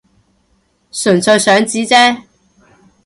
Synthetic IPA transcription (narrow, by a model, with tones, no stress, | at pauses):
sɵ˨˩nsɵ˧ɥsœː˨˥ŋt͡siː˨˥t͡sɛː˥